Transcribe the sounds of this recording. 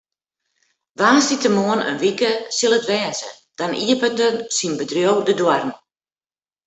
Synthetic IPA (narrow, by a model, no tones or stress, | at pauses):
ʋaːsitəmoənə̰nʋikəsilˠətʋɛːzə | d̥anʔḭəpədənsinbədrjowdədwarn̩